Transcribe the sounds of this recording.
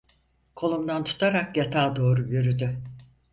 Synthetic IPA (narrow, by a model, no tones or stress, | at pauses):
kʰo̞lˠumd̪ant̪ʰu̥t̪ʰaɾakjat̪ʰaːd̪o̞ːɾuɟøɾyd̪y